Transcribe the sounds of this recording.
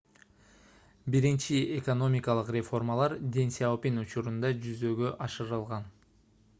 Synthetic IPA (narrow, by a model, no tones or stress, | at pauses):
biɾint͡ʃieko̞no̞mʲikɑlˠɯqrʲefo̞rmalˠɑɾd̪ʲe̞nsʲaopʲinut͡ʃuɾund̪ɑd͡ʒyzø̞ɡø̞ʔɑʃɯɾɯlˠʁɑn